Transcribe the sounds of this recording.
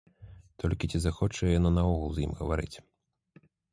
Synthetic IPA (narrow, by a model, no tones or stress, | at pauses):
t̪ʰɔlʲkʲit͡sʲizaxɔt͡ʂɐjɛjanɔnɐɔɣulˠzjḭmɣɐvaɾɨ̰t͡sʲ